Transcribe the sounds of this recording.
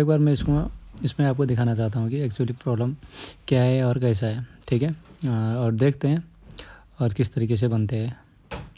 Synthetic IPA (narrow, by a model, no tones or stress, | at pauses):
eːk̚baːɾmɛ̃ɪskoɪsmẽaːp̚kod̪ɪkʰaːnat͡ʃaːt̪aɦũkiɛːkt͡ʃuwəlipɾɔːbləmkjaːɦɛɔːɾkɛːs̬aɦɛːʈʰiːkɦɛɔːɾd̪eːkʰt̪eɦɛ̃ː | ɔːɾkɪst̪ɐɾiːkes̬ebɐnt̪eɦɛ̃ː